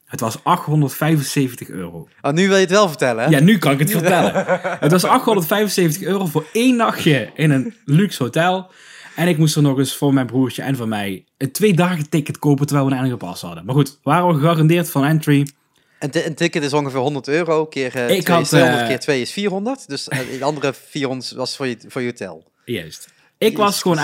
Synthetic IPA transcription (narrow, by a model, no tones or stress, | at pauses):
ɦətʋɑsɑxtɦɔndəɹtfɛjvənsejvəntəxø̰ːrow | anyʋɪlˠjəətʋɛlˠvəɹtɛləjanykɑnɪkətfəɹtɛlə̰ɦətʋɑsɑxtɦɔndərtfɛjvənsejvəntəxøːrowvʊːɹejndɑxjəɪnənlyksɦotɛlˠ | ɛnɪkmustəɹnɔχəsfʊːɹmɛjnbruːɹt͡ʃəʔɛnvʊːmɛj | əntʋejdaːɣətɪkətkowp̬ətəɹʋɛjlˠʋənɛnəpɑ̰shɑ̰dəmaːχutʋaːrəʋəxəɑrɑndɪːɹtfɑnɛntri | nəntɪkətɪsɔŋxəvɪːɹɦɔndəɹtøːrowkɪːɹɪkɦɑtendəkɪːɹtʋejɪsfiːɹɦɔndəɹtdøsɑndərəfiːɹɦɔndətʋɑsətfʊːɹjəfʊːɹjəɦotɛ̰lˠ | jœ̰ɥst | ɪkʋɑsxəʋon